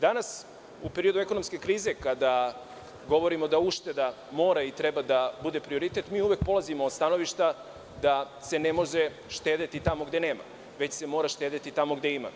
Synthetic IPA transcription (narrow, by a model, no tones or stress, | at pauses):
d̪anas | upe̞ɾiod̪ue̞ko̞nomske̞kɾiːze̞kad̪a | ɡo̞ʋo̞ɾimo̞d̪auʃt̪e̞d̪a | mo̞ːɾait̪ɾebad̪abud̪e̞pɾio̞ɾit̪e̞t̪miːuʋe̞k̚po̞lˠazimoːst̪ano̞ʋiʃt̪a | d̪a | se̞ne̞mo̞ʒe | ʃt̪ed̪et̪it̪amo̞ɡd̪eneːma̰ | ʋe̞t͡ɕse̞mo̞ɾaʃt̪e̞ːd̪et̪it̪amo̞ɡd̪e̞ima̰